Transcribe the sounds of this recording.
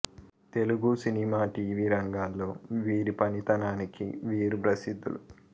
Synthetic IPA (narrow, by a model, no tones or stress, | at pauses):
t̪e̞luɡusinimaːʈiːʋiːɾɐŋɡaːlːoːʋiːɾipɐnit̪ɐnaːnikḭʋiːɾupɾɐsid̪ːṵlṵ